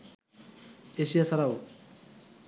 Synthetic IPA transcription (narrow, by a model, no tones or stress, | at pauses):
esijasaɾaw